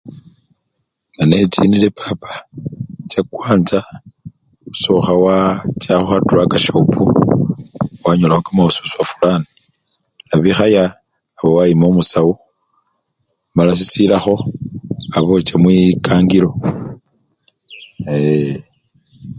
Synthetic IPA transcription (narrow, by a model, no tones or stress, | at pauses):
nane̞t͡ʃḭnile̞pʰapḁ | t͡ʃakwaːnt͡sa | uso̞xawat͡ʃaxoxatuɾakaʃopʰu | waɲolaxokamausu̥swafulani | laβixajaː | βowaimomusawu | malas̬isilaxo̞ | aβo̞t͡ʃemwikaːŋɡilo̞ | e